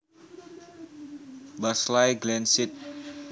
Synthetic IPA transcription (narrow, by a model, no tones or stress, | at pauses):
baslajɡlɛnsit̪̚